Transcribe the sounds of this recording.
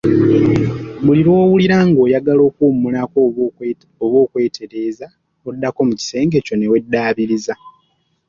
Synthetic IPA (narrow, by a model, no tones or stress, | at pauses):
βuliɾo̞ːwuliɾaːŋɡo̞ːjaɡalo̞ːkumːulako | oβo̞ːkwe̞ːtʰe̞ɾe̞ːza | odːako̞muci̥se̞ːŋɡe̞co̞ne̞we̞dːaːβiɾiza